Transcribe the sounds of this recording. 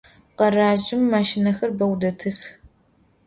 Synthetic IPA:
qɐraːʒɪmːaːʃɪnɐxɐrbɐwdɐtʰɨx

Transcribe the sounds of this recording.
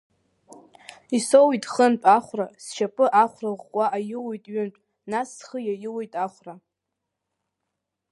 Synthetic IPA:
isowitʼχənt͡pʼaχʷrasʃapʼɨʔaχʷraʁʷʼaʔajɪwojtʼɥʏnpʼ | nasːχəjajɪwejtʼaχʷra

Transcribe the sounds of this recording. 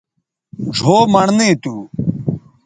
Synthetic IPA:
ʐʱoːmɐɳnet̪uː

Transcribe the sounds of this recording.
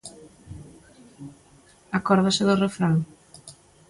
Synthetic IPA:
akɔɾðasɪðʊrefɾaŋ

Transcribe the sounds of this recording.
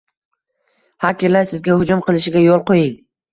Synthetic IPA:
hakʲɪɾlaɾsɪzɡʲahʊd͡ʒʊmqʰɨlˠɪʃɪɡʲajolˠqʰojɪŋ

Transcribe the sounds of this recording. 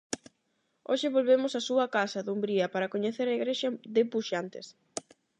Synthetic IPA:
oʃɪβolβemʊsasuɐkasɐðumbɾiɐpaɾɐkoɲeθeɾɐiɣɾeʃɐðɪpuʃant̪ɪs

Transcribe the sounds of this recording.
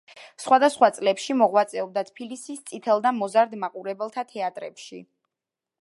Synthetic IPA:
sχwad̪asχwat̪sʼlɛpʃimɔʁwat̪sʼɛɔb̚d̪at̪ʰpʰilisist̪sʼit̪ʰɛlˠd̪amɔzaɾd̪maqʼuɾɛbɛlˠt̪ʰat̪ʰɛat̪ʼɾɛpʃḭ

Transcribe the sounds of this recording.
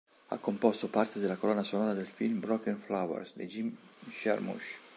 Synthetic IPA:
a̰kːompɔst̪opart̪ed̪elakolɔnasonɔːɾad̪elfilmbɾɔkenflawa̰ɾsd̪ḛd͡ʒimʃa̰ɾmṵʃ

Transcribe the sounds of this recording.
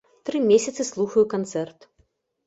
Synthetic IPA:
t̪ɾɨmʲesʲɐt̪sɨslˠuxɐjukant̪sɛrt̪

